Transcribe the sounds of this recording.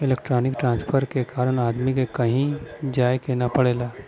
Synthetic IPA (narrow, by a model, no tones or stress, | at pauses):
ɪleːk̚ʈɾoːnɪkʈɾãːnspʰəɾkekaːɾəɽ̃aːd̪mikekɐɦĩd͡ʒaːjkeːnapɐɽeːlaː